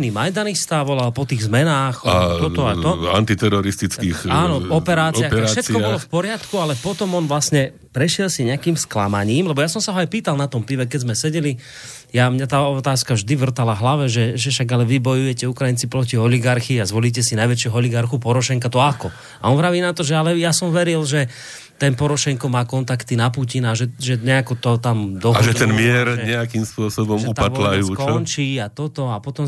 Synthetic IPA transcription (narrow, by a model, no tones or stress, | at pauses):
nimajd̪anixst̪aʋɔlapɔt̪iːɣzmɛnaːxt̪ɔɔat̪ɔa̰nt̪it̪ɛɾɔɾist̪it͡siːxaːnɔɔpɛɾaːt͡sɪjaxaɾaʃɛt̪kɔbɔllɔfpɔɾɪat̪kualɛpɔt̪ɔmɔnʋlasɲɛ | pɾɛʃɪɛlsiɲɛakiːmskla̰maɲiːmlɛbɔjasɔmsaɦɔajpiːt̪alˠnat̪ɔmpiʋɛkɛzmɛsɛɟɛli | jamɲat̪aːɔt̪aːskaʒd̪iʋr̩t̪alaɦlaʋɛʒɛʒɛfʃaɡalɛʋibɔjujɛcɛukɾajint͡sipɾɔciɔliɡaɾxiazʋɔliːc̬ɛsinajʋɛt͡ʃɪɛɦɔɔliɡaɾxupɔɾɔʃɛŋkat̪ɔakɔ | a̰ɔnʋɾaʋiːnat̪ɔʒɛalɛjasɔmʋɛɾilʒɛ | t̪ɛnpɔɾɔʃɛŋkɔmaːkɔnt̪akt̪inapucinaʒɛʒɛɲɛakɔt̪ɔt̪amd̪ɔɦaʒɛt̪ɛnmɪɛɾɲɲɛakiːmspʊɔsɔbɔmʒɛuat̪lajukɔɔnt͡ʃiːat̪ɔt̪ɔapɔt̪ɔm